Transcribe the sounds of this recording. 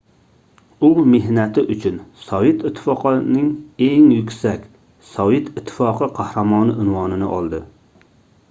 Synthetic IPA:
umeɦnɛt̪ʰɪʔut͡ʃʰynsɒjɪt̪ɪt̪ʰːɪ̥fɑqʰnɪŋeŋjykʲsɛkʲ | sɒjɪt̪ɪt̪ʰːɪ̥fɑqʰɨqʰɑhɾɑmɑːnɨʔɪnwɑnɪnɪʔɑ̰lˠd̪ɨ

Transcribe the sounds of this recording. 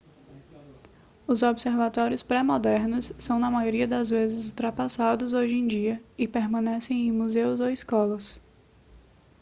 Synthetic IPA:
ʊzobɪseɾvat̪ɔɾiʊspɾɛmɔd̪ɛɾnʊsːɐ̃w̃nɐmajoɾiɐd̪ɐzvezɪzult̪ɾapasad̪ʊzoʒẽj̃d͡ʒiɐɪpeɾmɐ̃nɛsẽj̃ẽj̃muzewzowɪskɔlɐs

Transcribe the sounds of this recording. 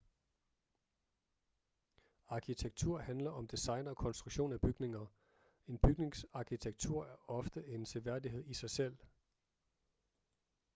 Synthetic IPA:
ɑ̈kʰit͡sʰeɡ̥t͡sʰuɐ̰hænlɐʔɒ̽md̥isɑ̈ɪnɒ̽kʰɒ̽nsd̥ʁuɡ̥ɕo̝̰ːnæb̥yɡ̥ne̝ŋɐ | e̝nb̥yɡ̥ne̝ŋsɑ̈kʰit͡sʰeɡ̥̚t͡sʰuɐ̰æɐʔɒ̽fd̥əe̝nt͡sʰeʋæɐd̥iɦe̝ð̞̰ˠisɑ̈ɪsel̰

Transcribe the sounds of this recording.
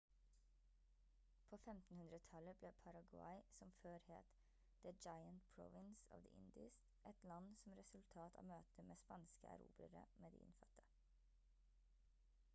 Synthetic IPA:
pʰoːfɛmt̪n̩hʉnɾət̪ʰɑləbleːpʰɑɾɑɡʊɑ̰ɪsɔmføːɾheːt̪ | d̪̥əd͡ʒɑɪənt̪pʰɹɔ̰ʋɪnsɑ̰ːʋd̪ḭːʔɪnd̪ɪst | ʔɛt̪lɑnsɔmɾɛsʉlt̪ʰɑːt̪ʰɑ̰ːmøːt̪ʰəmʔeːspɑnskəʔɑ̰ɾṵːbɾəɾə̰meːd̪ḭːɪ̰nfɑt̪ʰə̥

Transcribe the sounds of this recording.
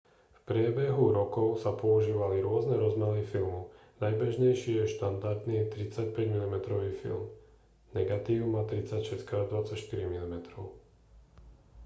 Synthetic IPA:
fpɾɪɛbɛɦuɾɔkɔʊsapɔuʒiːʋaliɾʊɔznɛɾɔzmɛlifilmu | najbɛʒɲɛjʃɪjɛʃt̪and̪aɾd̪niːjɛt̪ɾit͡sacpɛɟmilimɛt̪ɾɔʋiːfḭlˠm | nɛɡat̪iːʊmaːt̪ɾit͡sacʃɛskaːd̪ʋat͡sacʃt̪iɾimilimɛt̪ɾɔʊ

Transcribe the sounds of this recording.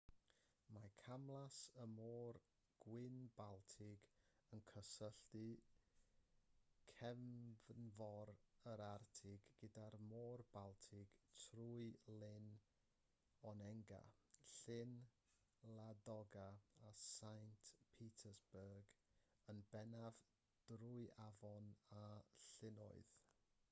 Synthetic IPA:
makʰamlˠasəmoːr | ɡ̥wɪnbalˠtʰɪɡənkʰəsəɬdɨ | kʰɛmvnvɔɾəɾartʰɪɡːədarmɔːrbalˠtʰɪɡ̥tʰruɨlɪn | ɔnɛŋɡa̰ɬɪn | lˠadɔɡaasajntʰpʰitʰəsbərɡ | ənbɛnav | d̥ruɨʔavɔnaɬɪnɔ̰ɨð

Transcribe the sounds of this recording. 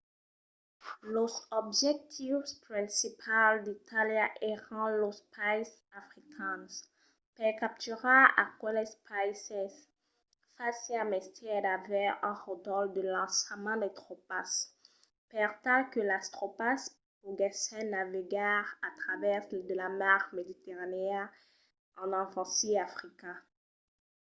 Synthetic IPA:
losɔbʒɛk̚t̪ʰifspχɛ̃sipʰald̪it̪ʰaljaʔeʁɑ̃lospajs | afʁikʰɛ̃ns | pɛkap̚t̪yʁaakwalɛspʰajsɛz | faseamɛst̪ɛd̪avɛɛ̃ʁɔd̪ɔld̪əlɑ̃smɑ̃d̪ɛt̪χopas | pɛʁt̪ãkəlast̪χopas | oɡɛsɛ̃naviɡaʁat̪χavɛʁd̪əlamaʁmed̪it̪eʁaneɛ̃ | ɑ̃nɑ̃fɑ̃siafχikɛ̃

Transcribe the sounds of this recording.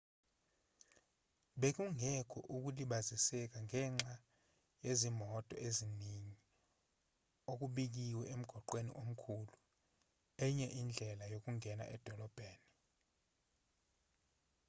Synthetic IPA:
ɓek̬uŋɛkʰɔ̰ʔuk̬uliɓazisɛk̬aŋʱɛːŋ͡ǁa | jezimɔtʼɔeziniɲi | ok̬uɓik̬iwɛem̩ɡ̥ʱɔǃwenḭʔom̩kʰulu | ɛɲɛʔind͡ɮʱɛlajok̬ʼuŋʱɛna̰ʔɛd̥ʱɔlɔb̥ʱeːni

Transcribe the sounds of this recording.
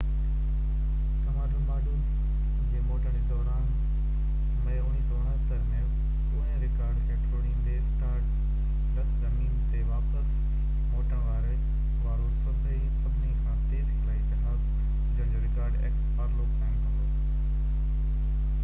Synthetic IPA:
kɐmaːɖumaːɗu | d͡ʑeːmoːʈəɽid̪ɔːɾaːn | mɐjʊɽ̃isoːɽ̃ãt̪əɾmẽ | oɛ̃ːɾɪkaːɾɖkʰẽːʈʰoːɾɽ̃iɗeːsʈaːɾʈ | lɐkʰzɐmiːnt̪eʋaːpəs | moːʈaʋaːɾe | ʋaːɾosɐbʱeisɐbʱɪnikʰãːt̪eːzɪlãːikɪsaːb | d͡ʑɐɦɲd͡ʑoɾɪkaːɾɖḛːkspaːɾloːɡkʰaːɪñsɐoː

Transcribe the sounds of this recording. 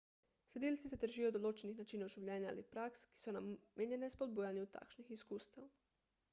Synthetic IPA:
sʲed̪iltsiset̪ɾ̩ʒiːjod̪olˠot͡ʃenixnat͡ʃiːnauʒiwʎeɲaa̰lipɾakski̥sunamjeɲenespod̪̚bujaɲɛut̪a̰kʃnixiskuːst̪aw

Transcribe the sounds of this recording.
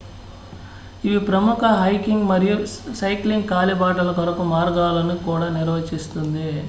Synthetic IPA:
iʋipɾɐmukʰɐɦɐjkiŋɡmɐɾijusɐjkliŋɡkaːlibaːʈɐlɐkɐɾɐkumaːɾɡaːlɐnikuːɽaːniɾʋɐt͡ʃist̪und̪i

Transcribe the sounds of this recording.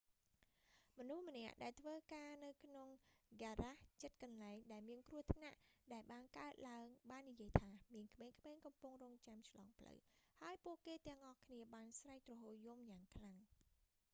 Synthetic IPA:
mɔnuhmə̆nɛ̆əʔɗaɛlt̪ʰʋəːkaːnɨwkʰnoŋɡaːraht͡ɕət̪̚kɑnlaɛŋɗaɛlmiənkruəht̪ʰna̰ʔɗaɛlɓaːnkaət̪̚laəŋɓaːnːijiəjt̪ʰaːmiənkʰmeːŋkʰmeːŋkɑmpʊŋroːŋt͡ɕamt͡ɕʰlɑːŋpʰlə̰whaəjpuəʔkeːt̪ɛ̆əŋʔɑhkʰniəɓaːnsraɛjt̪rɑɦoːjumjaːŋkʰlaŋ

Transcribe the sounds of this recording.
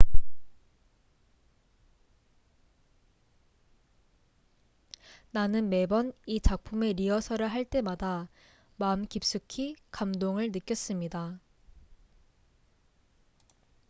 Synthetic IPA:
nanɯnme̞bʌnit͡ɕak̚pʰume̞ɾiʌsʰʌɾɯɭɦaɭt͈e̞mada | mamkip̚s͈ukʰikamdoŋɯɭnɯk͈jʌs͈ɯmɲida

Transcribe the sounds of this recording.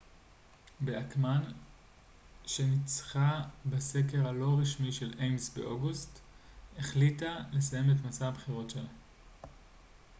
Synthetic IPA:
beakman | ʃe̞nit͡sχabase̞k̬eʁalo̞ʁiʃmiʃe̞lʔejmsbḛʔo̞ɡusteχlitale̞saje̞metmasaabχiʁo̞tʃela

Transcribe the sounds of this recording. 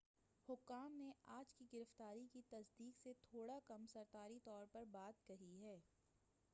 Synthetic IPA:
hʊkːaːmneaːd͡ʒkiɡɪɾəft̪aːɾikit̪ɐsd̪iːkset̪ʰoːɽakɐmsɐɾt̪aːɾit̪ɔːɾpɐɾbaːt̪kɐɦiɦɛː

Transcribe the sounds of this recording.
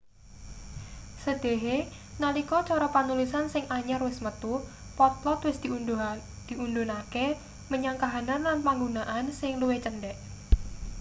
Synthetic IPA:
səd̪̥e̤ɦe | nalikɔt͡ʃɔɾɔpanulisansɪŋaɲarwɪsmət̪u | pɔt̪̚lɔt̪wɪsd̪̥i | d̪̥iundunake | məɲaŋkaɦananlanpaŋɡunaʔansɪŋluwet͡ʃənɖɛʔ

